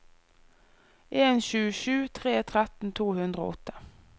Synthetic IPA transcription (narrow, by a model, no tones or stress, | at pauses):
ʔeːnɕʉːəʃʉːt̪ʰʁeːt̪ʰʁɛt̪n̩t̪ʰuːhʉnd̪ʁəo̰ːʔɔt̪ə̥